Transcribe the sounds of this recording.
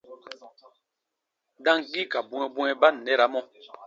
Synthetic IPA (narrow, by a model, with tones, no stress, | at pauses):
da˦ŋ˨ki˦ka˨bu˦ŋɛ˦bu˦ɛ˦ba˦n̩ː˨ɛ˦˨ɾa˨˦mɔ˦